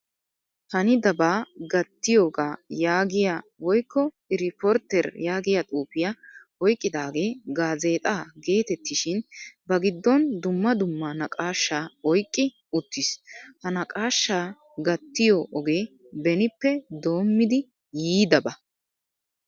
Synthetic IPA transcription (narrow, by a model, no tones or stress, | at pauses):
hɐnɪd̪ɐbaːɡɐt̪ːɪjo̞ːɡaːjaːɡɪjawɔjkːɔ | ɪɾɪpɔɾt̪ːɛɾjaːɡɪjat̪ʼuːpɪjɐ | ɔjkʼːɪd̪aːɡe̞ːɡaːze̞ːt̪ʼaːɡe̞ːt̪ɛt̪ːɪʃɪnbɐɡɪd̪ːɔnd̪ʊmːɐd̪ʊmːanɐkʼaːʃːaːɔjkʼːɪ | ʊt̪ːɪshɐnɐkʼaːʃːaː | ɡɐt̪ːɪjoʔɔɡe̞ː | bɛnɪpːɛd̪o̞ːmːɪd̪ɪ | jiːd̪ɐbɐ